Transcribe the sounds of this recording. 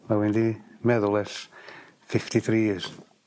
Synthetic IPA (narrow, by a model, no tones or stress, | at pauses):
mawɪndimɛðʊlˠɛs | fɪftiθɾiːs